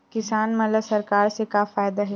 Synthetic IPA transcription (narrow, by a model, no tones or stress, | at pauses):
kɪsaːnmɐləbsɐɾkaːɾsekafaːjd̪aɦɛ